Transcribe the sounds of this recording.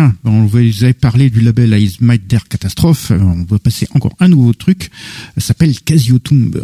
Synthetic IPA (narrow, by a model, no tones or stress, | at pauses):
ɛ̃bɛɔ̃vazavepaʁled̪ylabɛlaizmajt̪̚d̪ɛʁkat̪ast̪χɔfɔ̃vwapaseʔɑ̃kɔ̰ʁɛ̃nuvot̪χyksapɛlkazjot̪ũb̰